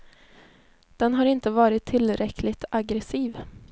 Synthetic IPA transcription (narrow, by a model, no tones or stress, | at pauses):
d̪̥ɛnɦaɾɪnt̪əvɑːɾɪt̪ʰːɪlɾɛkʰlɪt̪ʰaɡɾɛsiːv